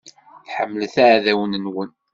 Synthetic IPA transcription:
θħəmːlθaʕðæwənənwən

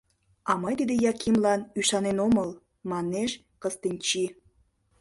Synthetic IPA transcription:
ɑmɤjt̪id̪ejɑkʰimlɑnyʃɑnenoməl | mɑneʃ | kəst̪enʲt͡ɕi

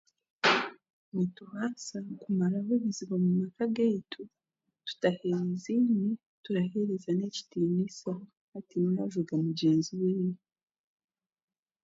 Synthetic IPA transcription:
nituhaːsakumaɾaɦuβiziβamumakaɡeːtʰu | tu̥taheɾiziɲi | tuɾaheɾizaneci̥timisa | hatiniɾaʒuɡamuɟeːnziwiːje

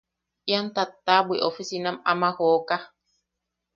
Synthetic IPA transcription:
jant̪at̪ːabwiʔofisinamamahoka

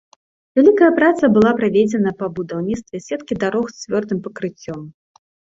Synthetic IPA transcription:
vʲɛlʲikɐjɐpɾat̪sɐbɨlˠapɾavʲed͡zʲɛnɐpɐbud̪awnʲit̪st̪vʲɛsʲɛt̪kʲid̪aɾɔxst͡sʲvʲɔrd̪ɨmpɐkɾɨt͡sʲːɔm

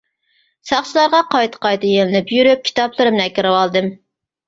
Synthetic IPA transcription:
sɑχt͡ʃɨlˠɑɾʁɑqʰɑjt̪ʰə̥qɑjt̪ɨjelɪnɪpjyɾyp̚kʲʰi̥t̪ʰɑplˠɨɾɨmnækʲɪɾɨwɑlˠd̪ɨm

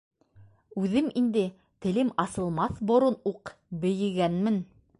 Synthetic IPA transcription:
ʉðɘmind̪ɘ | t̪ɘ̆lɘmɑsɤ̆lˠmɑθbŏɾonuqbɘ̆jɘ̆ɡænmɘn

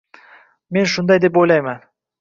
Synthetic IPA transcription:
me̞nʃʊnd̪ajd̪e̞pojlajman

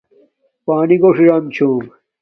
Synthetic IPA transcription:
paːniɡoʂiɾɐmt͡ɕʰuːm

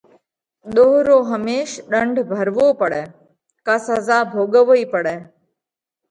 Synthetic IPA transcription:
d̪oɦɾoːɦəmeːʃɗəɳɖʱbʱəɾʋopəɽɛ | kasəzabʱoːɡəʋəipəɽɛː

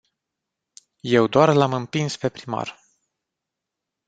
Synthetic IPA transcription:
je̞wd̪oarlamɨmpinspe̞pɾima̰r

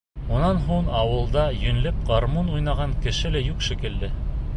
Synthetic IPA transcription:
unɑnɦuɴɑwɤ̆lˠd̪ɑjɵ̆nlɘp̚ʁɑɾmunujnɑʁɑŋkɘ̆ʃɘlæjukʃĭkɘ̆ld̪ɘ

